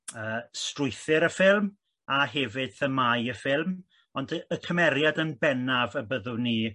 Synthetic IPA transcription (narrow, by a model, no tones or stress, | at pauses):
əːstrʊjθɨɾəfɪlˠm | aɦɛvɪd̥θəmajəfɪlˠm | ɔndəəkʰəmɛɾjadənbɛnavəbəðʊniː